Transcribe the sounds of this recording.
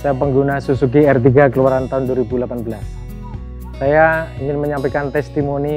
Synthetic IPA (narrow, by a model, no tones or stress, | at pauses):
sajapəŋɡunasusuɡiɛrt̪̬iɡakəluwaɾant̪aɦʊnduaɾibulapanbəlasː | ajaiŋɪnməɲampekant̪ɛst̪imoni